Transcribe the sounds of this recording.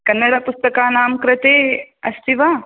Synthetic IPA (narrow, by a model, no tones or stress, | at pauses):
kɐnːɐɽapʊst̪ɐkaːnaːmkɾɪt̪eːɐst̪ʰiʋaː